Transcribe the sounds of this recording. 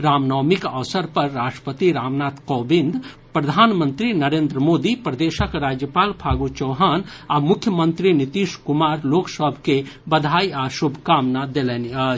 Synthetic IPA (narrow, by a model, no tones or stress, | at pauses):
ɾaːmnɔːmikəʋsəɾpəɾːaːsʈɾə̥pət̪iɾaːmnaːt̪kɔːbĩnd̪ʱ | pɾəd̪ʱaːnmə̃nt̪ɾinəɾeːnd̪ɾəmoːd̪ipɾəd̪eːʃəkɾad͡ʒjəpaːlpʰaːɡut͡ʃəːɦaːnamʊkʰjəmənt̪ɾinit̪iʃkumaɾloːksəbʱkebəd̪ʱaːiasubʱkaːmnad̪elɛniə